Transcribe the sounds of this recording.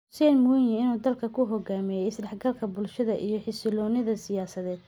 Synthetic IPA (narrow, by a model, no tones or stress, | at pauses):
ʊsɛnmʊɪjɛɪnuːd̪ɐlkʰɐkʰʊɦɔɡaːmɛjɛɪslɛħɡɐlkʰɐbʊlʃɐðɐʔijɞħɪsɪlɔːnɪðɐsɪjaːsɐðɛːd̪̚